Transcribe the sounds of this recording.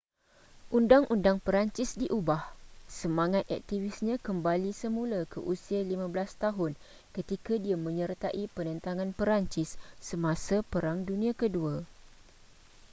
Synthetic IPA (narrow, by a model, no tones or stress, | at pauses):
ʔundaŋʔundaŋpəɾaɲt͡ʃɪsdiʔubahsəmãŋãt̪̚a̰k̚t̪ivɪsɲãkəmbalisəmũlakʰəʔusialimãblast̪aɦʊn | kət̪ikadiamə̃ɲərt̪aʔipənə̃nt̪aŋãnpəɾaɲt͡ʃɪsːəmãsapəɾaŋdunĩãkədua